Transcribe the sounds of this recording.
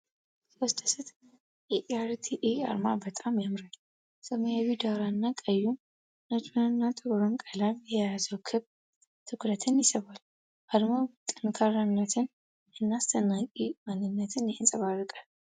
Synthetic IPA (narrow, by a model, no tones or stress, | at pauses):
sost̪ʰə̥sɨt̪ | ʔɛʔaɾt̪ʰiʔia̰ɾmabət̪ʼamjamɾal | səmɨjawid̪aɾanːakʼəjːun | nat͡ʃnanɨnːat̪ʼɨβɾonkʼalaβjɛjazəwkʰɨβ | t̪ʰɨkɾət̪ʰɨnjɪsəβal | ʔad̪mat̪ʼːɨnkʰaɾanlət̪ʰɨn | ɨnːast̪ʰənakʼimanːɨnːət̪ʰɨnjɨnsʼɐβarːɨkʼal